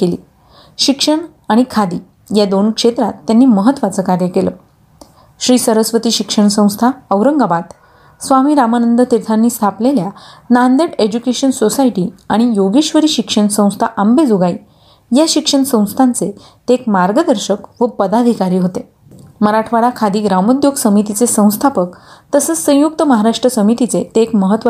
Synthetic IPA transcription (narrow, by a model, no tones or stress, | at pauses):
kelḭː | ɕikʂəɳ | aɽ̃ikʰad̪iː | jad̪onkʂet̪ɾat̪ːjanːiːməɦət̪ːʋat͡səkaɾjəkelə | ɕɾiːsəɾəsʋət̪iːɕikʂəɳsə̃w̃st̪ʰaəʋɾəŋɡabat̪ | sʋamiːɾamanənd̪ət̪iɾt̪ʰanːiːst̪ʰapleljanand̪eʈed͡ʑukeɕənsosaiʈiːaɽ̃ijoɡiɕʋəɾiːɕikʂəɳsə̃w̃st̪ʰaʔambed͡zoɡai | jaɕikʂəɳsə̃w̃st̪ʰant͡se | t̪ekmaɾɡəd̪əɾɕəkʋəpəd̪ad̪ʱikaɾiːɦot̪e | məɾaʈʰʋaɽakʰad̪iːɡɾaməd̪joɡsəmit̪it͡sesə̃w̃st̪ʰapəkt̪əsət͡ssə̃juk̚t̪əməɦaɾaʂʈɾəsəmit̪it͡set̪eːkməɦət̪ʋə